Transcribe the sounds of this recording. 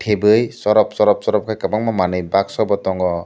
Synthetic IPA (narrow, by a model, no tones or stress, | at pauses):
ʈʰebɯjsɔɾɔp̚sɔɾɔp̚sɔɾɔp̚kʰajkapaŋmamanɯjbak̚sɔbɔtɔŋɔ